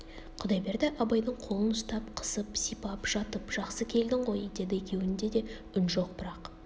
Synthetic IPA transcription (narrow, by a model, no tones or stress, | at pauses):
qʰʊd̪ɑjbe̞ɾd̪ɪʔɑbɑjd̪əɴqʰo̞lˠənʊst̪ɑpqʰə̥səpsijpɑpʒ̥ɑt̪əpʒ̥ɑqsəkʲʰe̞ld̪ɪɴqʰo̞jəd̪e̞d̪ɪekʲe̞wɪnd̪e̞d̪e̞ | ʏnʒo̞q̚bəɾɑq